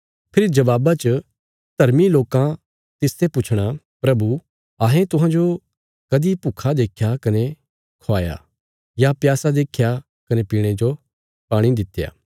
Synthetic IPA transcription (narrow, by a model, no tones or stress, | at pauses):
pʰɪɾid͡ʒɐʋaːbat͡ʃə | d̪̥ʱɐɾmiloːkã | t̪ɪst̪ʰepʊt͡ʃʰɽ̃a | pɾɐbu | aːɦẽt̪ʊɦãd͡ʒo | kɐd̪ipukʰad̪eːkʰjakɐne | kʰoaːja̰ | japjaːsad̪eːkʰja | kɐnepiːɽ̃ed͡ʒo | paːɽ̃id̪ɪt̪ːeja̰ː